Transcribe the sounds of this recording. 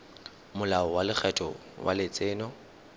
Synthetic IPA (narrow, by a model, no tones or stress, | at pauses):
mʊlaɔwalɪk͡xʰɛtʼɔ | wʔa̰lɪt͡sʼɪːnɔ